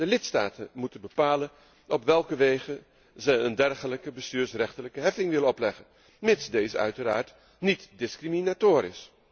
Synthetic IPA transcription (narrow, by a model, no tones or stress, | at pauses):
dəlɪtsta̰ːtənmutənbəpaːlən | ɔpʋɛlˠkəʋejχə | zɛjəndɛrχələkəbəstyːɹsrɛχtələkəɦɛfɪŋʋɪləɔplɛχən | mɪtsdejzəœ̰ɥtəɾa̰ːɹt | nitdɪskriminatoːɾɪ̰s